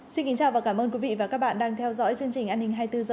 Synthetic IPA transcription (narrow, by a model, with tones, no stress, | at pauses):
si˧nki˨˦ŋt͡ɕaː˧˩wvaː˨˩kaː˧˩mʔəː˧nkwi˨˦vḭ˧˨vaː˨˩kaː˦˥k̚ɓa̰ː˧˨nɗaː˧ŋt̪ʰɛ˧wzɔ̰˧˥jt͡ɕɨ˧əŋt͡ɕï˨˩ŋ̟ʔaː˧nhï˨ŋ̟ɦaː˧jt̪ɨ˧zəː˨˩